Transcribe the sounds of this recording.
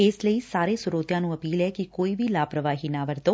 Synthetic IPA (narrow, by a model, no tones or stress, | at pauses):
eːsləisaːɾesuɾoːt̪jaːnũɐpiːlekikoːiʋilaːpɾəʋaːɦinaːʋəɾt̪oː